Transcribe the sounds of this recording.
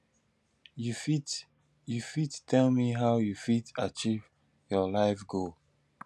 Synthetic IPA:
jufi | jufittʰɛlmiɦaʊjufitat͡ʃiv | jɔlaɪfɡol

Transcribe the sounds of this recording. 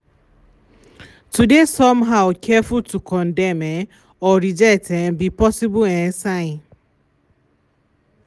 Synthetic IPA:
tudesɔmɦaʊkʰɛfultʰukʰɔndɛmɛ | ɔɾid͡ʒɛk̚tɛbipɔsibʊɛsaɪn

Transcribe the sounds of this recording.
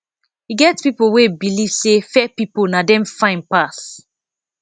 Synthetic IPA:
hiɡɛtspipowebilivsefɛpiponadɛ̃mfãɪ̃n̚pas

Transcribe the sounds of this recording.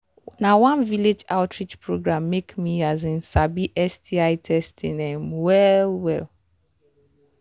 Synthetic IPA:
nãwãnviled͡ʒaʊtʰɹid͡ʒpʰɹoɡɹãmːekmiazĩnsabiʔɛstʰiaɪtʰɛstʰĩnẽmwɛlwɛl

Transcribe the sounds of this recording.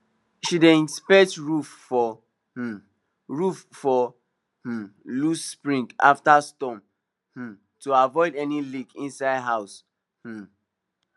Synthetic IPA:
ʃidẽnspɛtɹuffɔ | ɹuffɔ | h̩lusːpɹĩŋɡa̰ftastɔ̃m | h̩ | tuavɔɪdɛnilikĩnsaɪdɦaʊs̩

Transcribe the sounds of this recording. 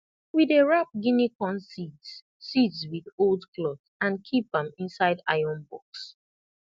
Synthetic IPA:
wiðeɹap̚ɡinikɔ̃nsitsː | itswiðoldklɔθ | ãnkʰip̚ə̃mĩnsaɪda̰ɪɔ̃nbɔks

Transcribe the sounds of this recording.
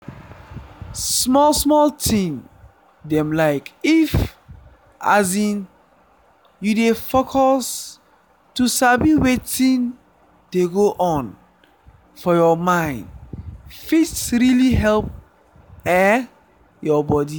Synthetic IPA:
smɔlsmɔltʰĩŋ | dɛ̃mlaɪkif | ʔazĩn | judefokʰɔs | tusabiwetĩn | deɡoʔɔ̃n | fɔjɔmãɪ̃ndfitsɹiliɦɛlp̚ | ɛ | jɔbɔdi

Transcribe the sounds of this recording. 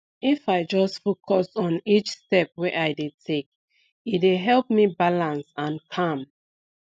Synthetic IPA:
ifaɪd͡ʒɔstfokʰɔsɔ̃nit͡ʃstɛp̚wɛʔaɪdetʰek̚ | ideɦɛlp̚mibalãnsãnkʰãm

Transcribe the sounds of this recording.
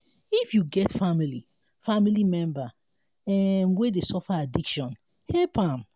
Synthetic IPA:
ifjuɡɛtfamili | familimɛ̃mba | ɛnwedesɔfaadikʃɔ̃n | hɛpãm

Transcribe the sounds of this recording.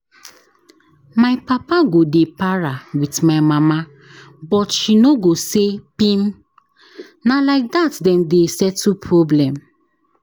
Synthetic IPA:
maɪpapaɡodepaɹawitmaɪmama | bɔtʃinoɡosepĩm | nalaɪk̚datdɛ̃mdesɛtupʰɹɔblɛ̃m

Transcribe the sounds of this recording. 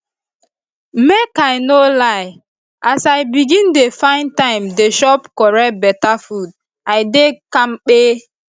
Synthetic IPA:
mekaɪnolaɪ | ʔasaɪbiɡĩndefãɪ̃ntãɪ̃mdeʃɔpkɔɹɛt̚bɛtafud̚ | aɪdekãmk͡pe

